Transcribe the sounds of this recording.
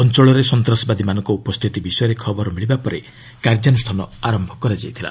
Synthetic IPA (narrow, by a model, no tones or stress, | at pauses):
ɔnt͡ʃɔɭɔɾesɔnt̪ɾɔsɔbad̪imanɔŋkɔupɔst̪ʰit̪ibisɔjɔɾekʰɔbɔɾɔmiɭibapɔɾe | kaɾd͡ʒjanɔst̪ʰanɔaɾɔmbʱɔkɔɾad͡ʒajt̪ʰila̰